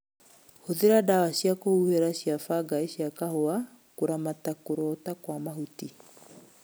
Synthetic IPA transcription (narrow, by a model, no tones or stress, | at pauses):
hoðeɾadawaɕjakohuheɾaɕjafaɡaeɕiakahoa | koɾamatakoɾɔtakwamaɦuti